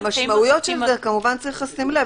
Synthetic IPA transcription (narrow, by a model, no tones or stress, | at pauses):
maʃmaujo̞tʃelzekamuvant͡sʁiχasimle